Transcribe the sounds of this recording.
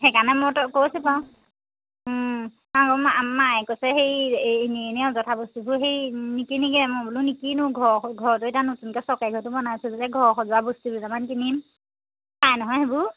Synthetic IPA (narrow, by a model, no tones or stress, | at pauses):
xɛkanɛmɔtɔkosɛpaw̃ | akɔmamːajkosɛxejnienɛɔzɔtʰabostubuxejnikiniɡɛmɔbulunikinʊ̃ɡʱɔɹɡʱɔɹɔtʊetanotunkɛsɔkajɡʱɔɹtʊmɔnajsuzalɛɡʱɔɹxɔzʊwabostubuzamankinim | pajnɔɦɔjɦebu